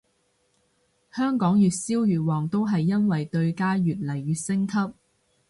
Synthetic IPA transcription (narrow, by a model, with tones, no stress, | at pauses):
hœː˥ŋkɔː˨˥ŋjyː˨t̚siː˥wjyː˨wɔː˨ŋt̪o˥wɦɐ˨jːɐ˥nwɐ˨jt̪ɵ˧ɥkaː˥jyː˨t̚lɐ˨˩jːyː˨t̚sɪ˥ŋkʰɐ˥p̚